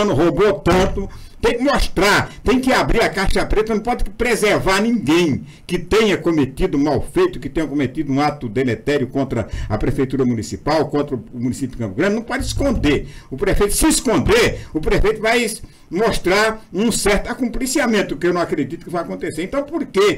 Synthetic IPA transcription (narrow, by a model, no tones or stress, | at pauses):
nʊɦobot̪ɐ̃nt̪ʊt̪ẽj̃kɪmoʃt̪ɾaɾt̪ẽj̃kɪabɾiɾɐkaʃɐpɾet̪ɐnɐ̃w̃pɔd̪ɪkɪpɾezeɾvaɾnĩɡẽj̃ | kɪt̪ẽɲɐkõmet̪id̪ʊũmawfejt̪ʊkɪt̪ẽɲ̃ɐkõmet̪id̪ʊũat̪ʊd̪emet̪ɛɾjʊkõnt̪ɾɐɐpɾefejt̪uɾɐmunisipawkõnt̪ɾɐʊːmunisipjd̪ʊkɐ̃pʊɡɾɐ̃nd̪nɐ̃w̃pɔd̪ɪɪskõnd̪eɾʊpɾefejt̪ʊ̥sɪ̃skõnd̪eɾʊpɾefejt̪ʊvaj | moʃt̪ɾaɾũsɛɾt̪ʊakũmplisiamẽnt̪ʊkɪewnɐ̃w̃akɾed̪it̪ʊ̥kɪvajakõnt̪eseɾẽnt̪ɐ̃w̃poɾke